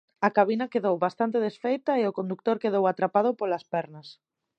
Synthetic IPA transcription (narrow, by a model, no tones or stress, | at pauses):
ɐkaβ̞inɐkeðowβast̪ant̪eðesfejt̪ɐeʊkond̪uk̚t̪oɾkeðowat̪ɾapaðʊpolɐspɛɾnɐs